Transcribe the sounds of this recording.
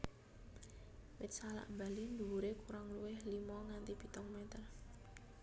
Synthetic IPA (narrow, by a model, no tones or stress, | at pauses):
wɪt̪̚sala̰ʔmbalind̪uwuɾekuɾaŋluwɪhlimɔŋant̪ib̥i̤t̪ɔŋmɛt̪ər